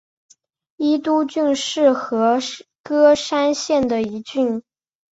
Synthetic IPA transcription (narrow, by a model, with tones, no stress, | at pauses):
i˥t̪u˥t͡ɕy˥˧nʂɻ̩˥˩xɤ˧˥kɤ˥ʂa˥nɕjɛ˥˩nd̪ə˩i˧˥t͡ɕy˥˩n